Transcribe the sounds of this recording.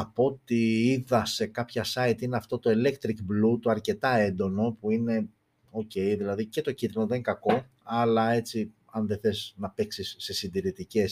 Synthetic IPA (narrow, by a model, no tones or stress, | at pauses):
ɐpo̞t̪iiðɐse̞kɐpçɐsɐit̪ineɐft̪o̞t̪o̞ele̞kt̪ɾikblut̪oɐɾce̞t̪ɐe̞nd̪o̞no̞puine̞ | o̞ce̞jðilɐðice̞t̪o̞cind̪inoðeinkɐko̞ | ɐlɐe̞t͡si | ɐnðeθe̞snɐpe̞ksisːesind̪iɾit̪ice̞s